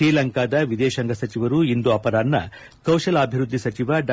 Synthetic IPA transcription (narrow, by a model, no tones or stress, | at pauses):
ɾiːlɐŋkaːd̪ɐʋid̪eːʃɐŋɡɐsɐt͡ʃiʋɐɾuind̪uɐpɐɾaːnːɐ̰ | kɐwʂɐlɐːbʱiɾud̪ʱːisɐt͡ʃiʋɐɖɐ